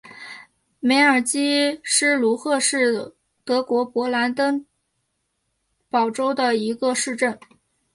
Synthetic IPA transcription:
me˧˥ɪə˞˨˩t͡ɕi˥ʂɻ̩˥˩lu˧˥xɤ˥˧ʂɻ̩˥˩ | t̪ɤ˧˥kwɔ˧˥pwɔ˧˥la˧˥nt̪ə˥ŋ | pɑ˨˩ʊʈ͡ʂo˥ʊd̪ə˨i˧˥ɡə˧ʂɻ̩˥˧ʈ͡ʂə˥˩n

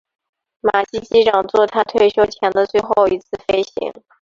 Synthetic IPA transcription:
ma˨˩ɕi˥t͡ɕi˥ʈ͡ʂɑ˨˩ŋt͡swɔ˥˩t̪ʰa˥t̪ʰwe˥˩ɪɕjo˥ʊt͡ɕʰjɛ˧˥nd̪ə˧t͡swe˥˧ɪxo˥˩ʊi˧˥t͡sʰɹ̩˥˩fe˥ɪɕḭ˧˥ŋ

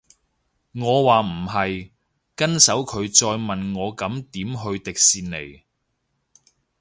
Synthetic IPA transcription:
ŋɔː˨˧waː˨m̩˨˩ɦɐ˨j | kɐ˥nsɐ˨˥wkʰɵ˨˧ɥt͡sɔː˧jmɐ˨nŋɔː˨˧kɐ˨˥mt̪iː˨˥mɦɵ˧ɥt̪ɪ˨k̚siː˧nlḛ˨˩j

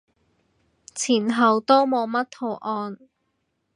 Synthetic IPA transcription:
t͡sʰiː˨˩nɦɐ˨wt̪o˥wmo˨˧wmɐ˥t̚t̪ʰo˧wʔɔː˧n

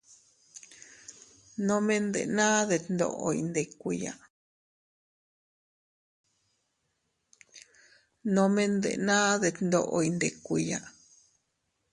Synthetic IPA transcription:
nõ˧mẽ˦nd̪ḛ˨nã˦ðe˧t̪nd̪o̰˧˨ʔo̰˧jḭ˧nd̪e˨kʷu˧ja˨ʔ | nõ˧mẽ˦nd̪ḛ˨nã˦ðe˧t̪nd̪o˧ʔo˧i˧nd̪e˨kʷu˧ja˧

